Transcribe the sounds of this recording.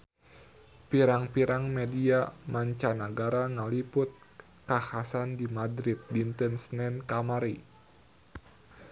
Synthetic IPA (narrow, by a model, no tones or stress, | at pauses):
piɾaŋpiɾʔaŋmɛdiamaɲt͡ʃanaɡaɾaŋalipʊt̪̚ | kahasandimadɾit̪̚dint̪ənsnɛnkamaɾi